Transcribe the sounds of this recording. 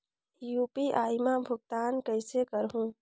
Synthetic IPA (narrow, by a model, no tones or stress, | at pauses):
juːpiʔaːjmabʱʊɡ̚t̪aːnkəɪsekəɾɦũ